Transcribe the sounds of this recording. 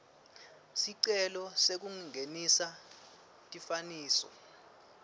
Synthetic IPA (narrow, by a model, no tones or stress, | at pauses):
siǀɛlɔsek̬uŋiŋʱenisa | tʼifaniːsɔ̰